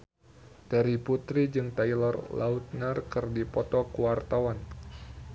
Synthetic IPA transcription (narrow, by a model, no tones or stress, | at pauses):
t̪ɛɾiput̪ɾid͡ʒɨŋt̪ajlɔrla̰ut̪̚narkɨrdipɔt̪ɔkuwart̪awan